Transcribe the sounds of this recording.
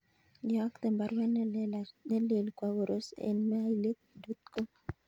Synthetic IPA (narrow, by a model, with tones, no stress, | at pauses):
dia˦kt̪ɛ˨mba˨ɾwɛ˦nne˦le˨lkwa˨wo˨ɾʔo˦sḛ˨nmɛ˦a˦jle˦k̚du˦t̪̚ko˦